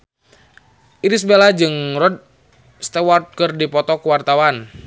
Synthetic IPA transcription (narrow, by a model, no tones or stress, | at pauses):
ʔiɾisbelad͡ʒɨŋrɔd̚ | st̪ɛwɔrt̪̚kɨrdipɔt̪ɔkuwart̪awan